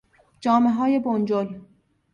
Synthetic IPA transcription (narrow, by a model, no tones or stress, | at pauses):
d͡ʒɒːmeɦɒːjebond͡ʒol